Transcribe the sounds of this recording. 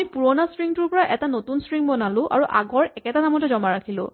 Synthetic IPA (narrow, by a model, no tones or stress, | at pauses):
mipuɹɔnasɹiŋtʊɹpɔɹaʔɛtanotunsɹiŋbɔnalʊ̃ʔa̰ɹuʔa̰ɡɔɹɛkɛtanamɔtɛzɔmaɹakʰilʊ̰̃